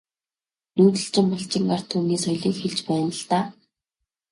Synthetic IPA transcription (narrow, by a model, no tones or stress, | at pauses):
nuːt̪ɘ̆ɬt͡ɕɪ̆mpɔɬt͡ɕɪ̆ŋɢar̥t̪ʰːuːniːsɔjɮiːŋxeɮt͡ɕpæːnə̆ɮt̪aː